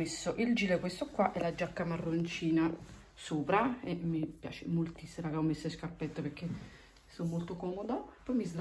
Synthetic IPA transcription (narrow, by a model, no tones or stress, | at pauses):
mesːoʔild͡ʒilekwest̪okwaʔɛlad͡ʒːakːamarːont͡ʃiːna | suːpɾaemipja̰ːt͡ʃemolt̪isːimakeɔmːesːoskapːet̪ːoperk̟ːe | somːolt̪okɔːmod̪oepːɔjmizl